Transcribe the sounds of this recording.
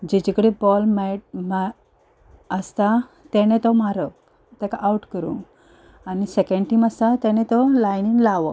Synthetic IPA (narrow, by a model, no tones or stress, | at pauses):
d͡ʑed͡ʑikəɽebɔlmɛʈma | əst̪a | t̪ɛnet̪ɔmaɾək | t̪ɛkaʔawʈkəɾṵ̃ŋ | anisɛkẽɳɖʈiːməst̪at̪ɛnet̪ɔlajniŋlaʋɔ